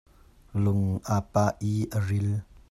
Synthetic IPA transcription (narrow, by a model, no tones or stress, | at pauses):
lʊŋʔapaːʔiːʔərɪl